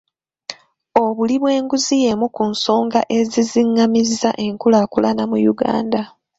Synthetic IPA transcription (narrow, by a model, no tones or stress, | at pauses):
oβuliβwe̞ːŋɡuzije̞mukunso̞ːŋɡaʔe̞ziziŋːamizaʔe̞ŋkulaːkulanamujuɡa̰ːnda